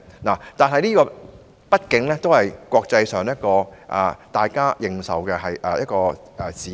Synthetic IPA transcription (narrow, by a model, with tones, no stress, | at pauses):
naː˨˩t̪aː˨nɦɐ˨jniː˥kɔː˧ | pɐ˥t̚kɪ˨˥ŋlɛː˥t̪o˥whɐ˨jkʷwʷɔː˧k̚t͡sɐ˧jsœː˨ŋjɐ˥t̚kɔː˧ʔɛ̰˨t̪aː˨jkaː˥jɪ˨ŋsɐ˨wkɛ˧ɦɐ˨˩jʔɛː˨˩jɐ˦t̚kɔː˧ | ʔɛ˨t͡siː˨˦